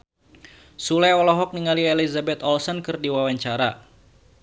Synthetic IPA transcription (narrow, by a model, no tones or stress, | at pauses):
sulɛɔlɔɦɔk̚niŋalielizabɛt̪ɔlsɔnkɨrdiwawaɲt͡ʃaɾa